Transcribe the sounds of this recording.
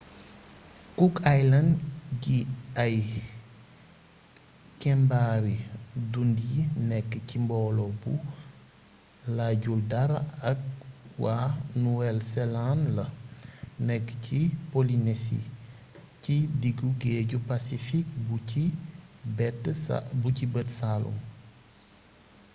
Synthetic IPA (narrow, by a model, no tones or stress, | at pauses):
kukajlɐnɡiɐj | kɛmbaːɾidundijinɛkːəcimbɔːlɔbu | laɟuldɐɾaɐk̚wanuwɛlsɛlanlɐ | nɛkːcipolinesḭ | cidiɡuɡɛːɟupasifik̚buibɛtːbucibətsalṵm